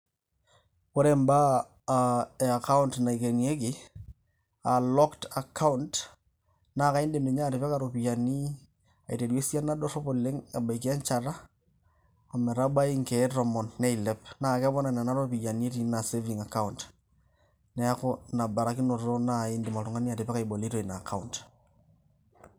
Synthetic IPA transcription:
ko˦ɾe˨mba˦˨ | e˨a˨ka˦u˦ntna˨i˨ke˨ni˨e˦kɪ˦ | a˨lɔ˦kta˨kʰa˦ʊ˦nt | naː˦ka˨ɪ˦ndɪ˨mɪ˨ɲa˦˨ɾɪ˨pɛ˦ka˨ɾo˨pi˨ja˨ni˦ | a˨i˨te˨dwe˦sja˦na˦dɔ˦sɔ˦po˨lɪ˦ŋa˨ba˨i˨ki˦a˦ɲt͡ʃa˨ɾa˦˨ | mɛ˨ɾa˦ɓa˦i˦ŋke˨˦ɾɔ˨mɔ˨nːɛ˦i˨lɛ˦pnaː˦˨kɛ˦bɔ˦na˨na˨na˦ɾo˦pi˨ja˨ni˦e˦ti˨˦na˨se˦vi˨ŋa˨ka˦unt | nɛ˦a˦ko˦na˨ba˨ɾa˨˦kɪ˦no˨ɾo˦na˦˨ɪ˦ndɪ˨ma˨tʊ˨ŋa˦ni˦a˨tɪ˨pɛ˦ka˨jbo˨li˦to˦˨i˨na˨kʰa˦unt

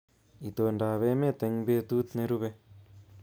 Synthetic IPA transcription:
i˨t̪o˧˨nda˨βe˦mẽ˦t̪e˨˧ŋbe˧t̪u˦t̪ne˧ɾu˦βe˧

